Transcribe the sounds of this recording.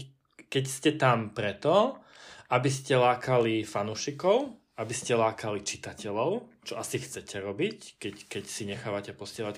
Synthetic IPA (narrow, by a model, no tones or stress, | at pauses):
kɛcscɛt̪ampɾɛt̪ɔ | abiscɛlaːkalifanuːʃikɔʊ | abiscɛlaːkalit͡ʃi̥t̪acɛʎɔʊt͡ʃɔasixt͡sɛcʰɛɾɔbickɛckɛcsiɲɛxaːʋacɛpɔsɪɛɦlac